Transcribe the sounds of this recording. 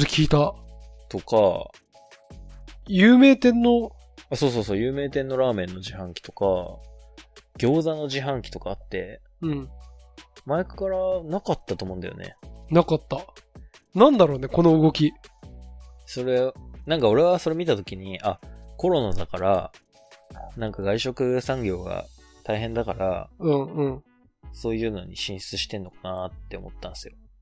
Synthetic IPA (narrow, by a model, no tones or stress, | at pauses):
zekʲiːt̪a | t̪o̞ka̰ | jɨːme̞ːt̪ẽ̞nːo̞ | aso̞ːso̞ːs̬oːjɯ̟ːme̞ːt̪ẽ̞nːo̞ɾaːmẽ̞nːo̞ʑiɦãŋkʲi̥t̪o̞ka̰ | ɡ̥ʲo̞ːzano̞ʑiɦãŋkʲi̥t̪o̞kaːt̪ːe̞ | ɯ̟̃ɴ | maekɯ̥kaɾanakat̪ːat̪o̞ːmõ̞nd̪a̰jo̞̰ne̞̰nakat̪ːa | nãnd̪aɾo̞ːne̞ko̞no̞ɯɡo̞kʲi | so̞ɾe̞nãŋkao̞ɾe̞βaso̞ɾe̞mʲit̪at̪o̞kʲiɲ̟iako̞ɾo̞nad̪akaɾa | nãŋkaɡaiɕo̞kɯ̟sãŋɡʲo̞ːɡa̰ | t̪aiɦẽ̞nd̪akaɾa̰ɯ̟̃ɴɯ̟̃ɴ | so̞ːjɯ̟ːno̞̰ɲ̟ḭɕĩɰ̃ɕi̥t͡sɨɕi̥t̪ẽ̞nːo̞kanat̪ːe̞o̞̰mo̞t̪ːãnsɨjo̞